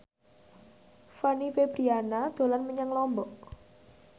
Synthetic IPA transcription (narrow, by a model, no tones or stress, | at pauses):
fanifebɾianad̪̥o̤lanməɲəŋlɔmbɔʔ